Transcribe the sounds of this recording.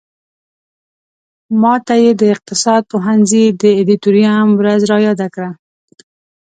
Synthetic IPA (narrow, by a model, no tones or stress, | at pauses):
mɑt̪ajed̪əɪq̚t̪ɪsɑd̪̚poɦanzid̪əɪd̪it̪uɾijamwɾazɾɑjɑd̪akɽa